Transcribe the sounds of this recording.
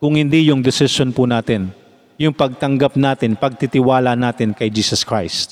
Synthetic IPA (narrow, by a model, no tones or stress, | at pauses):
kʊŋhɪnd̪ijʊŋd̪ɪsɪʃonpunaːt̪ɪn | jʊŋpɐɡ̚t̪ɐŋɡap̚naːt̪ɪnpɐɡ̚t̪ɪt̪ɪwaːlɐnaːt̪ɪnkɐjd͡ʒiːsɐskɹajst̪̚